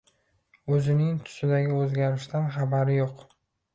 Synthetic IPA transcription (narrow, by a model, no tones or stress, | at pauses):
ɵzɪnɪŋt̪ʰʊ̥sɪd̪aɡʲɪɵzɡʲaɾɪʃt̪anχabaɾɪjoq